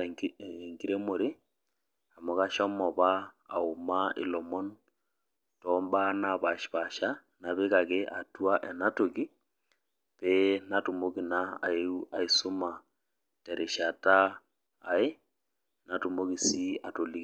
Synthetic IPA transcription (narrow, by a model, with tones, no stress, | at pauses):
ŋɡi˦ɾe˦mo˨ɾe˦ | a˨mɔ˨ka˦ʃɔ˦mɔ˨ba̰ː˦˨ʊ˨ma˦ɪ̰˨lɔ˨mɔ˦n | tɔ˨˦mba˦na˨ba˨ʃpa˨ʃa˦ | na˨be˦ka˨ke˦ʔa̰˨tu˦a˦ʔɛ˨na˦to˨ɡi˦ | pe˦na˦tu˨mo˦ki˨na̰ː˦˨e˦a˨i˨su˦ma˨ | tɛ˨ɾʔe˨ʃa˨taː˦˨ | e˦ | na˨tu˨mo˦ki˨si˦a˨to˨li˦k